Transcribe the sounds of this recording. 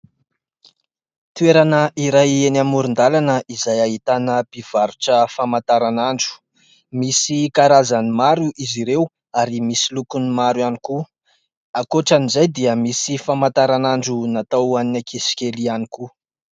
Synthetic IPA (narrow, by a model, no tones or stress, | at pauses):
t̪ueɾanəʔiɾajenamuɾund̪alanəʔizajaɦit̪anəpiv̥aɾuʈ͡ʂəfamant̪aɾanaɳɖ͡ʐu̥ | misikaɾazanimaɾuʔiziɾew | aɾimisilukunimaɾwaniku | akoʈ͡ʂanizajd̪iəmisifamant̪aɾanaɳɖ͡ʐunat̪awaninakʰisi̥kʲelianiku